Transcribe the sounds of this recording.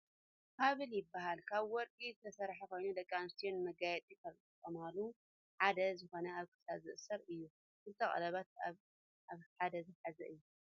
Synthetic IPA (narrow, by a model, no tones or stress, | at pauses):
kʰaβɨljɪbːaɦalkʰaβwɔɾkʼizɨt̪ʰɐsɐɾħakʰo̞jnud̪ɐkʼːamɨst̪ʰijonmɐɡajɛt̪ʼikʰɐlkʼɨtʼːɐmalu | ħad̪ɐzɨxo̞nɐaβkʰɨ̥saβzɨʔsɐɾɨjːu | ʔɨt̪ʰɐχʼɐ̰lɐβat̪̚a | aβħad̪ɐzɨħazɐ̰ʔɨjːu